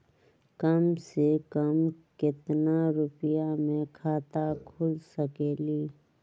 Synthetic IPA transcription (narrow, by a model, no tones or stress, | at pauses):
kəmsekəmkɪt̪naɾʊpjamẽkʰaːt̪akʰʊlsəkeːliː